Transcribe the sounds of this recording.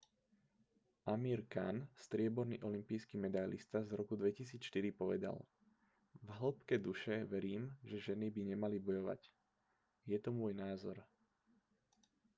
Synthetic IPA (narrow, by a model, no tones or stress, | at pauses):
ʔamiːɾkanst̪ɾɪɛbɔɾnḭːʔɔlimpijskimɛd̪ajlḭst̪azɾɔkud̪ʋɛcis̬iːt͡sʃt̪iɾipɔʋɛd̪a̰l | vɦl̩pkɛd̪uʃɛʋɛɾiːmʒɛʒɛnibiɲɛmalibɔjɔʋa̰c | jɛt̪ɔmʊɔːjnaːzɔ̰ɾ